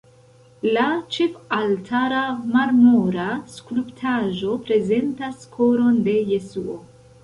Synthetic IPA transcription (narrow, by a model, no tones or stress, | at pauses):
lat͡ʃe̞faltʰaɾamaɾmoɾaskuluptʰaʒo̞pɾe̞ze̞ntaskʰo̞ɾo̞nde̞je̞suo̞